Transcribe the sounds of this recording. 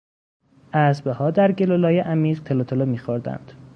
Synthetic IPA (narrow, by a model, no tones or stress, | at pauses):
ʔæsbehɒːd̪æɾɟelolɒːjeʔæmiːʁt̪ʰelot̪ʰolomiːxoɾd̪æ̰nd̪̥